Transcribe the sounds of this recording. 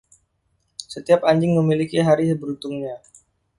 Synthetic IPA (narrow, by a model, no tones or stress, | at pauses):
sət̪iapaɲd͡ʒɪŋməmilikiɦaɾibəɾut̪ʊŋɲa